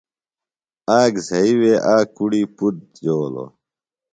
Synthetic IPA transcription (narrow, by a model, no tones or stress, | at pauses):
aːɡzɐiweʔaːkuɽiput̪̚joːlo̰